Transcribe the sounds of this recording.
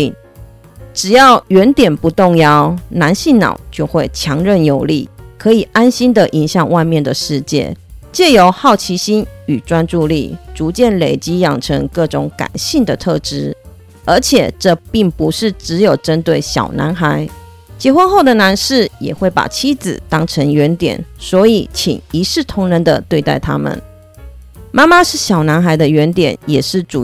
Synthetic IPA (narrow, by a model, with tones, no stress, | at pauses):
ʈ͡ʂɻ̩˨˩jɑ˥˩ʊɥɛ˧˥nt̪jɛ˨˩npu˨˧˦t̪ʊ˥˧ŋjɑ˥ʊna˧˦˥nɕi˥˩nnɑ̰˨˩ʊt͡ɕjo˥˧ʊxwe˥˩ɪt͡ɕʰjɑ˧˥ŋɻə˥˩njo˨˩ʊlḭ˥˩kʰɤ˧˥i˨˩a˦˥nɕi˥nd̪ə˨ʔi˧˥nɕjɑ˨˩˦ŋwa˥˧ɪmjɛ˥˩nd̪ə˨ʂɻ̩˥˧t͡ɕjɛ̰˥˩t͡ɕjɛ˥˩jo˧˥ʊxɑ˥˩ʊt͡ɕʰi˧˥ɕi˥ny˨˩ʈ͡ʂwa˦nʈ͡ʂu˥˧lḭ˥˩ʈ͡ʂu˧˥t͡ɕjɛ˥˩nle˨˩ɪt͡ɕi˥jɑ˨˩ŋʈ͡ʂʰə˧˥ŋkɤ˥˩ʈ͡ʂʊ˧˥ŋka̰˨˩nɕi˥˩nd̪ə˩t̪ʰɤ˥˧ʈ͡ʂɻ̩˥ | ə˞˧˥t͡ɕʰjɛ˨˩ʈ͡ʂɤ˥˧pi˥˩ŋpu˧˦ʂɻ̩˥˩ʈ͡ʂɻ̩˧˥jo˨˩ʊʈ͡ʂə˥nt̪we˥˩ɪɕjɑ̰˨˩ʊna̰˧˥nxa˧˥˦ɪ | t͡ɕjɛ˧˥xwə˦˥nxo˥˩ʊd̪ə˩na˧˥nʂɻ̩˥˩jɛ̰˨˩xwe˥˩ɪpa̰˨˩t͡ɕʰi˥d͡zɹ̩̰˨˩t̪ɑ˥ŋʈ͡ʂʰə˧˥ŋɥɛ˧˥nt̪jɛ̰˨˩˦nswɔ˧˥i˨˩t͡ɕʰḭ˨˩ŋi˧˥ʂɻ̩˥˩t̪ʰʊ˧˥ŋɻə˧˥nd̪ə̰˨t̪we˥˧ɪt̪a̰˥˩ɪt̪ʰa̰˥mə̰˨n | ma˥ma˦ʂɻ̩˥˩ɕjɑ˨˩ʊna˧˥nxa˧˥ɪd̪ə˧ɥɛ˧˥nt̪jɛ̰˨˩˦njɛ̰˨˩ʂɻ̩˥˩ʈ͡ʂu˨